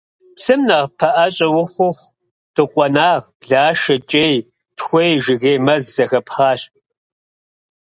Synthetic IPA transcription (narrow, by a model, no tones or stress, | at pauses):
psɨmnɐʁpʰɐʔɐɕʼɐwʊxʷʊχʷ | d̥ɨqʷʼɔnaːʁ | ɮaːʃɐt͡ʃʼeːj | txʷejʒɪɣeːmɐzzɐxɐpχaːɕʼ